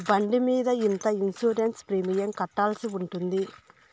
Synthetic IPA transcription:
bɐɳɖimiːd̪ɐint̪ɐinsuːɾenspɾiːmijɐŋkɐʈːaːlɐsiuɳʈund̪i

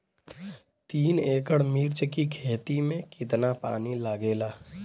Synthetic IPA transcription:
t̪iːneːkəɽmiːɾt͡ʃkikʰeːt̪imẽkɪt̪napa̰ːnilaːɡeːlaː

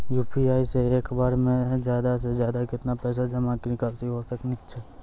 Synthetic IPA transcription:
juːpʰiaːiseeːkbaːɾmẽzjaːd̪as̬ezjaːd̪akɪt̪napɛːs̬ad͡ʒɐmãknɪkasiɦosəknit̪t͡ʃʰɛ

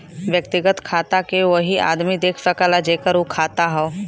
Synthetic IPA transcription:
ʋjək̚t̪ɪɡət̪kʰaːt̪akeʋəɦia̰ːd̪mid̪eːkʰsəkəlad͡ʒeːkəɾokʰaːt̪aɦɛ

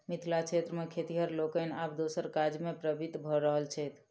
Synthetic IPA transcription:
mit̪ʰlakt͡ʃʰet̪ɾəmekʰet̪iɦəɾlokənap̚d̪osəɾkad͡ʒmepɾəbit̪bʱɔɾəɦəlt͡ʃʰɛt̪ʰ

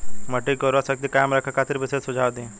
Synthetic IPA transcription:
mɐʈikoɾasək̚t̪ikaːmɾɐkʰakʰaːt̪ɪɾbɪsesʊd͡ʒʱaːʋd̪ẽː

